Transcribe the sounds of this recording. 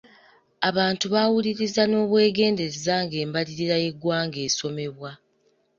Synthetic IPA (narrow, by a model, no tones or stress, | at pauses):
aβaːntuβawuliɾizano̞ːβwe̞ːɡe̞ːnde̞ezaːŋɡe̞ːmbaliɾiɾaje̞ɡwaːŋɡe̞ːso̞me̞βwa